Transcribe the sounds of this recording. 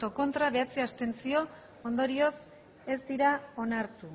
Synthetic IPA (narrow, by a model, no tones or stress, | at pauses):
t̪o̞ko̞nt̪ɾaβ̞e̞at͡seast̪e̞nsio̞ | ond̪o̞ɾio̞s | e̞zd̪iɾao̞naɾt̪u